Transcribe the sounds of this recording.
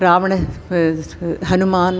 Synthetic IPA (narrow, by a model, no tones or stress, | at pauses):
ɾaːʋɐɳe | ɦɐnumaːn